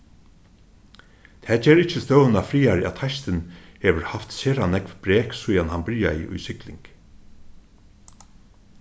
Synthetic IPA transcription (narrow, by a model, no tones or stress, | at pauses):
t̪ʰɛːd͡ʒeːɾɪcːəst̪œːwnafɾiːaɾɪa̰t̪ʰajst̪ɪnheːʋəɾhaft̪seːɾanɛkvbɾeːksʊjanhanbɪɾja̰jɪ̰ʔʊ̰jsɪklɪ̰ŋk